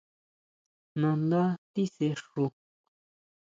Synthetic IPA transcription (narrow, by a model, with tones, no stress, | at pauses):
nã˨nd̪a˦t̪i˦se˧ʂu˧